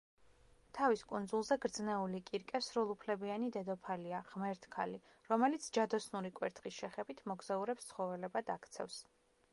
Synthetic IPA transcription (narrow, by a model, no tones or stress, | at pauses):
t̪ʰaviskʼund̪zulˠzɛɡɾd̪znɛulikʼiɾkʼɛsɾulˠupʰlɛbianid̪ɛd̪ɔpʰaliaʁmɛɾt̪ʰkʰali | ɾɔmɛlit̪sʰd͡ʒad̪ɔsnuɾikʼwɛ̰ɾt̪ʰχisʃɛχɛbit̪ʰmɔɡz̥auɾɛpst̪sʰχɔvɛlɛbad̪akʰt̪sʰɛ̰fs